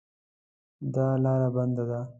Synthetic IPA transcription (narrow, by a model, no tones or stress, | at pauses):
d̪ɑlɑɾaband̪ad̪a